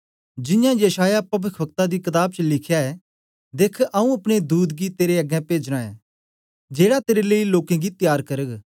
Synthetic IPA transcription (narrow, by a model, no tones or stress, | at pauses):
d͡ʒɪ̃jãjɐʃaːjapɐbɪkʰbək̚t̪ad̪ikɪt̪aːb̚t͡ʃəlɪkʰjaɛ | d̪eːkʰʔɐũɐpɽ̃ed̪uːd̪ɡit̪eːɾeɐɡɛ̃peːd͡ʒɽ̃ãːɛ̃ | d͡ʒeːɽat̪eːɾeleːiloːkɛ̃ɡit̪jaːɾkɐɾəɡ